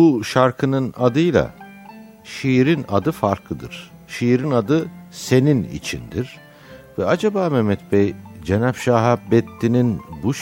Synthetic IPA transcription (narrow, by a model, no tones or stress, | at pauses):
buʃaɾkʰɯnɯnad̪ɯjlˠa̰ | ʃiɾinad̪ɯfaɾklˠɯd̪ɯɾ̥ | ʃijɾinad̪ɯse̞ninḭt͡ʃʰḭnd̪iɾ̥ | vɛad͡ʒabaːmɛmɛt̪̚bɛjd͡ʒenapʃaːɦabɛt̪ːininbuʃ